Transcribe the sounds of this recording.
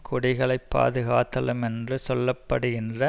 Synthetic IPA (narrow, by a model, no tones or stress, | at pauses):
kʰɔɽɪɣɐɭɐɪpːa̰ːðɯɣaːt̪ːɐlɯmɛndrɯsɔlːɐpːɐɽɯɣɪndrɐ